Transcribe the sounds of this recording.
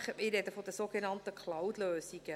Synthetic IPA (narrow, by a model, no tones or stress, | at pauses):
χətmɪɾdɛdəfodəsoːɡ̥enɑnt̪əkʰlawtløːsiɡ̥ə